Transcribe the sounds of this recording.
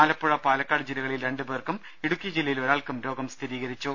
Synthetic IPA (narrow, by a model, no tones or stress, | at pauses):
aːlɐpːuɻɐpaːlɐkːaːɽɨd͡ʑilɐɣɐɭilɾe̞ɳɖɨbeːrkum | iɽukʲːijɐd͡ʑilːɐjiloɻaːɭkumɾo̞ːɡɐmst̪ʰiɾiːɣɐɾit͡ɕːu